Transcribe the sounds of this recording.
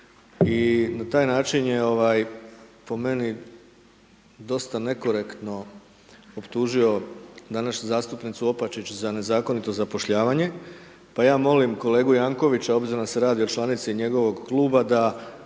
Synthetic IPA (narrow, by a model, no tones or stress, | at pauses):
inat̪aːjnaːt͡ʃinje̞o̞ʋajpo̞me̞ni | d̪o̞st̪ane̞ko̞ɾe̞kt̪no̞ | opt̪uːʒio̞d̪anaʃɲuzaːst̪upnit̪suo̞pat͡ʃit͡ɕzane̞zaːko̞nit̪o̞zapo̞ʃʎaːʋaɲe̞ | pajaːmo̞limko̞le̞ːɡujaːŋko̞ʋit͡ɕao̞bziɾond̪aseɾaːd̪iot͡ʃlˠanit̪siɲe̞ɡo̞ʋo̞ɡklˠuːbad̪a